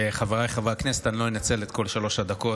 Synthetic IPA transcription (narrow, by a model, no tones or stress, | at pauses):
eχaveʁajχavʁakneset̪anlo̞inat͡se̞let̪ko̞lʃalo̞ʃad̪ako̞